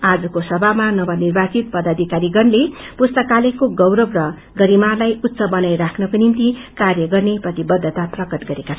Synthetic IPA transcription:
ad͡zʌkosʌbʱamanʌbʌnirbat͡sit̪̚pʌd̪ʌd̪ʱikaɾiɡʌnle | pust̪ʌkalekoɡʌwɾʌbrʌ | ɡʌɾimarlajut̪ːsʌbʌnajɾakʰnʌkonimt̪ikarjʌɡʌrneprʌt̪ibʌd̪ʱːʌt̪aprʌkʌt̪ɡʌɾekat͡sʰ

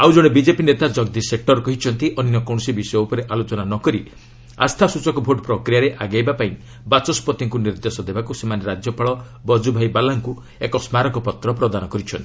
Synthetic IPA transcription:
awd͡ʒɔɽ̃ebid͡ʒepinet̪ad͡ʒɔɡd̪isek̚ʈɔɾkɔɦit͡ʃʰɔnt̪iʔɔninɔkɔ̃ɔsibisɔjɔupɔɾeʔalot͡ʃɔnanɔkɔɾi | a̰st̪ʰasut͡ʃɔkɔbʱoʈɔpɾɔkɾijaɾeʔaɡajbapaĩ | bat͡ʃɔspɔt̪iŋkuniɾd̪esɔd̪ebakusemaneɾad͡ʒjɔpaɭɔ | bɔd͡ʒubʱajbalaŋku | ekɔsmaɾɔkɔpɔt̪ɾɔpɾɔd̪anɔkɔɾit͡ʃʰɔ̰nt̪i̥

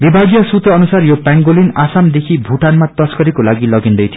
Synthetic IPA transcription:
bibʱaɡjʌsut̪ʌʌnusarjopaŋɡolinasamd̪ekʰibʱuʈanmat̪ʌskʌɾikolaɡilʌɡind̪ʌjt̪ʰj

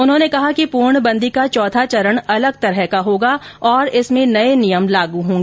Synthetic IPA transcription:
ʊnɦõnekɐɦakipuːɾɳbɐ̃nd̪ʱikat͡ʃɔːt̪ʰat͡ʃɐɾəɳ̃ɐləɡ̚t̪ɐɾɦɛkaɦoːɡaɔːɾɪsmẽnɐenijəmlaːɡuɦõːŋɡeː

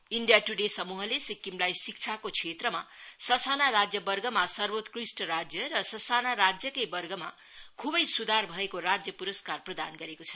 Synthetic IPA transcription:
iɳɖijaʈuɖesʌmuɦʌlesikːimlajsik̚t͡sʰakot͡sʰet̪rʌmasʌsanaɾad͡zjʌbʌrɡʱʌmasʌrbot̪krisʈʌɾad͡zjʌɾʌsʌsanaɾad͡zjʌkʌjbʌrɡʱʌma̰ | kʰubʌjsud̪ʱarbʱʌekorad͡zjʌpuɾʌskarprʌd̪a̰nɡʌɾekot͡sʰʌ̥

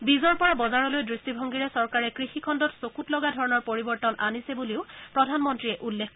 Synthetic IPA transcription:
bizɔɹpɔɹabɔzaɹɔlojdɹistibʱɔŋɡiɹɛsɔɹkaɹɛkɹixikʰɔndɔtsokutlɔɡadʱɔɹɔnɔɹpoɹibɔɹtɔnʔanisɛbuliʊpɹɔdʱanmɔntɹiɛʔulːekʰ

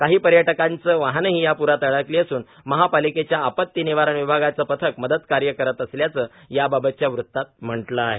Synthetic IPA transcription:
kaɦiːpəɾjəʈəkant͡səːʋaɦnəɦiːjapuɾat̪əɭəkliːəsuːn | məɦapaliket͡ɕjaːpət̪ːiniʋaɾəɳʋibʱaɡat͡səːpət̪ʰəkməd̪əd̪kaɾjəkəɾət̪əsljat͡səː | jababət̪̚t͡ɕjaʋɾut̪ːat̪̚m̤əɳʈlaːɦe

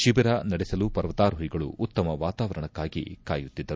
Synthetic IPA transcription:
ʃibɐɾanɐɽɛsɐlupɐɾʋɐt̪aːɾuɦiɡɐɭṵːt̪ːɐmɐʋaːt̪aːʋɐɾɐɳɐkːaːɡḭkaːjut̪ːid̪ːɐɾu

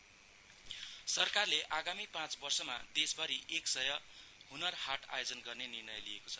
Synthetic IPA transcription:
sʌrkarleʔaɡamipãt͡sbʌrsʌma̰d̪esbʌɾiʔeksʌjʌhunʌrhaʈʰa̰jod͡zʌnɡʌrnenirnʌjlijekot͡sʰʌ̥

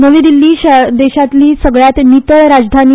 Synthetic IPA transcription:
nəʋiːd̪ilːiːɕd̪eɕat̪liːsəɡɭjat̪nit̪əɭɾad͡zd̪ʱani

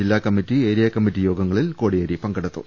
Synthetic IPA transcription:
ilːaːkɐmːitːieːɾijɐkɐmːitːijo̞ːɡɐŋːɐɭilkoːɽijɐɾipɐŋɡɐɽɐt̪ːṵ

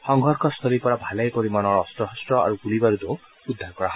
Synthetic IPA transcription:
hɔŋɦɔɾkʰɔst̪ʰɔɾipɔɽabʱalajpɔɾimanɔɾɔːst̪ɾɔɦɔstɾɔa̰ɾuɡulibaɾud̪o | ud̪ʱːaɾkɔɾaɦ

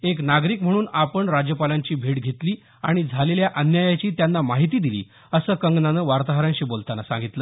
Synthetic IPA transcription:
eknaɡɾiːkm̤ə̃uːnapəɳɾad͡ʑjəpalaɲt͡ɕiːbʱeʈɡʱet̪liː | aɽ̃id͡zʱaleljaʔənjajat͡ɕiːt̪janːamaɦit̪iːd̪ilḭː | əsəːkəŋɡnanəʋaɾt̪aɦəɾãɲɕiːbolt̪anasã̰ŋɡit̪lə

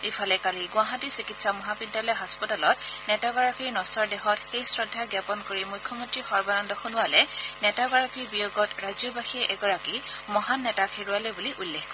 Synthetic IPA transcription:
ifʰɔlɛkaliɡʊaɦatisikitsamɔɦabidːalɔjɦaspɔtalɔtnɛtaɡɔɹakiɹnɔsɔɹdɛxɔtxejsɹɔdʱːaɡjapɔnkoɹimujkʰjɔmɔntɹixɔɹbanɔndɔxunʊwalɛnɛtaɡɔɹakiɹbijoɡɔtɹazjɔbaxiʔɛɡɔɹakimɔɦanːɛtakʰeɹualɛbuliʔulːexkɔ

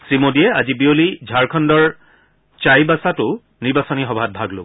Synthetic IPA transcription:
simodijɛazibiolid͡ʒʱaɹkʰɔndɔɹ | t͡ʃajbasatʊ | niɹbasɔnixɔbʱat̚bʱaɡlo̰ɡ

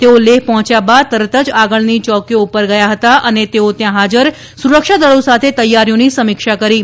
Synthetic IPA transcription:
t̪eoleɦpɔɦɔ̃t͡ʃjabad̪̚t̪əɾət̪əd͡ʒaɡəɭnit͡ʃɔkjõupəɾɡəjaɦət̪aʔənet̪eot̪jãɦad͡ʒəɾ | suɾəkʂad̪əɭosat̪ʰet̪əjːaɾjonisəmɪkʂakəɾi

